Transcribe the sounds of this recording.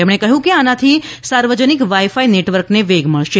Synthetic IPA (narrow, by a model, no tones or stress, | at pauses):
emɽ̃ekəɦjũkeanat̪ʰisaɾʋəd͡ʒənikʋaifaineʈʋəɾkneʋeɡʱməɭʃe